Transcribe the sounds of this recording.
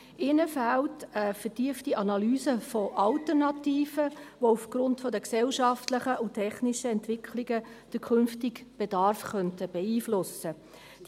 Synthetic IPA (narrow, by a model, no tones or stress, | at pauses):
ɪnəfæltəfəɾtiəftiʔɑnɑlyːsəfɔʔɑltəɾnɑtiːfəʋoufɡ̥ɾʊntfɔdəksɛlʃɑftləχəʊtʰɛχniʃəɛntʋɪkʰlɪɡəd̥əkʰʏnftɪkb̥ɛdɑɾfχœntəb̥ɛiːflʊsə | d̥